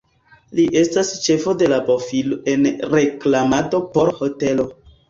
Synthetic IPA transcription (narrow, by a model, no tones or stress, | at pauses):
liʔe̞stast͡ʃe̞fo̞de̞lapofiloʔe̞nɾe̞klamato̞po̞ɾho̞te̞lo̞